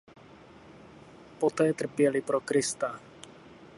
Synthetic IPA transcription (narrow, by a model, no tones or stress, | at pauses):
pot̪ɛːt̪r̩pɪjɛlɪpɾokɾɪst̪a